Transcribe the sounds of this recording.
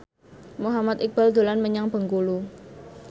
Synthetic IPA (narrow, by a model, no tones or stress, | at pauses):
muɦamat̪ik̚b̥ald̪o̤lanməɲaŋb̥ə̤ŋkulu